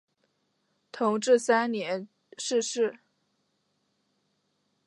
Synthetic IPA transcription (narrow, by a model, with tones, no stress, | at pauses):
t̪ʰʊ˧˥ŋʈ͡ʂɻ̩˥˩sa˥nnjɛ˧˥n | ʂɻ̩˥˧ʂɻ̩˥˩